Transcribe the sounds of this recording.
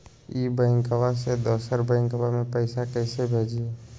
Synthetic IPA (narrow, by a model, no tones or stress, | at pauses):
iːbəɪ̃ŋkəwased̪oːsəɾbəɪ̃ŋkəʋamẽpəɪsakɛːsebʱeːd͡ʒie